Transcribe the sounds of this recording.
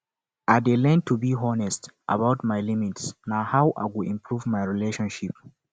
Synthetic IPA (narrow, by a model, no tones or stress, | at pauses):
ʔadelɛ̃ntːubiɦɔnɛstʔa̰bawtmajlĩmitsnahawʔa̰jɡuĩmpʰɹuvmajɹileʃɔ̃nʃip